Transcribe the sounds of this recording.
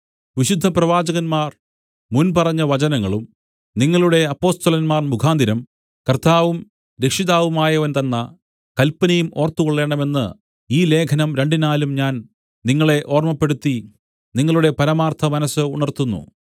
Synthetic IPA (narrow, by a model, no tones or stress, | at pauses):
ʋiɕud̪ʱːɐprɐʋaːd͡ʑɐɣɐnmaːr | munpɐrɐɲːɐʋɐt͡ɕɐnɐŋːɐɭum | niŋːɐɭuɽe̞ɐpːo̞ːst̪ɐlɐnmaːrmukʰaːnd̪iɾɐm | kɐrt̪aːʋum | ɾe̞kʂiðaːʋumaːjɐʋɐnt̪ɐnːɐ | kɐlpɐnɐjumo̞ːrt̪ːukoɭːe̞ːɳɖɐme̞nːɨ̰ | iːle̞ːkʰɐnɐmɾe̞ɳɖinaːlumɲaːn | niŋːɐɭe̞ʔo̞ːrmɐpːe̞ɽut̪ːi | niŋːɐɭuɽe̞pɐɾɐmaːrt̪ʰɐmɐnɐsɨuɳɐrt̪unːṵ